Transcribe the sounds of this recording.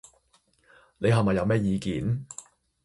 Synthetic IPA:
ne˨˧jɦɐ˨mɐ˨jːɐ˨˧wmɛː˥jiː˨˧kiː˨˥n

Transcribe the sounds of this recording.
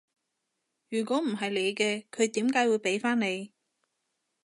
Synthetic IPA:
jyː˨˩kʷɔː˨˥m̩˨˩ɦɐ˨jle˨˧jkɛː˧kʰɵ˨˧ɥt̪iː˨˥mkaː˨˥jwuː˨˧jpe˨˥jfaː˥nne˨˧j

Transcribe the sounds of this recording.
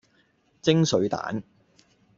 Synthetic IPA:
t͡sɪ˥ŋsɵ˨˧ɥt̪a̰ː˨˥n

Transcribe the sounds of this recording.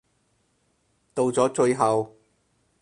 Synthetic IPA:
t̪o˨˧wt͡sɔː˨˥t͡ʃɵ˧ɥɦɐ˨w

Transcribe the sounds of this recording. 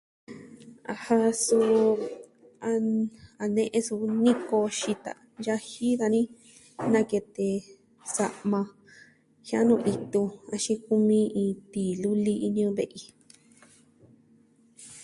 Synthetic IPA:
a˧ha˧su˧ | a˧a˧nẽ˧ʔẽ˧su˧nĩ˦ko˧ʃi˧t̪a̰˨ | ja˧˦hi˦ða˧nĩ˦ | nã˧ke˧t̪e˧ | sa˧ʔmã˧ | hĩ˦ã̰˦nũ˧ʔi˧t̪u˧a˧ʃĩ˧ku˧mĩ˧ĩː˧t̪i˨lu˦li˦i˧ɲũ˧˦βe˧˨ʔi˧

